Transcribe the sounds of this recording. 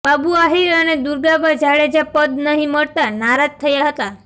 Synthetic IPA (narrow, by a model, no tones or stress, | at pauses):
babuaɦiɾəned̪uɾɡabad͡ʒaɭed͡ʒapəd̪nəɦĩməɽt̪anaɾad͡ʒt̪ʰːəjaɦət̪a